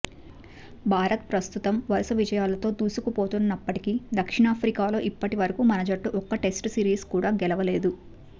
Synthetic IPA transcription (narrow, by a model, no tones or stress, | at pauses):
bʱaːɾɐt̪̚pɾɐst̪ut̪ɐmʋɐɾusɐʋid͡ʒɐjaːlɐt̪o̞ːd̪uːsukupo̞ːt̪unːɐpːɐʈikid̪ɐkʂiɳaːpʰɾikaːlo̞ːʔipːɐʈiʋɐɾɐkuːmɐnɐd͡ʒɐʈːuʔɔkːɐʈe̞sʈsiːɾiːskuːɽaːɡɛlɐʋɐle̞ːd̪u